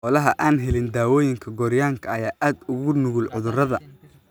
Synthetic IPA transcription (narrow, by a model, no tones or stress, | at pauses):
ɔlɐɦɐʔaːnɦɛlɪnd̪aːwɔːjɪŋkʰɐɡɔːɾɪjaːŋkʰɐːjaːʔaːd̪ʊɣʊnʊɣʊlʕʊðʊrɐðɐ